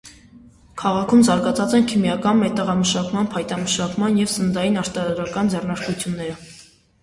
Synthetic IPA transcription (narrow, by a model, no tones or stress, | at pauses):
kʰɑʁɑkʰumzɑɾɡɑt͡sʰɑt͡sɛnkʰimjɑkɑnmɛt̪ːəʁɑməʃɑkmɑnpʰɑjt̪ɑməʃɑkmɑnjɛvsənd̪ɑjinɑɾt̪ɑɾɑɾɑkɑnd͡zɛrnɑɾkut͡sʰjunːɛɾə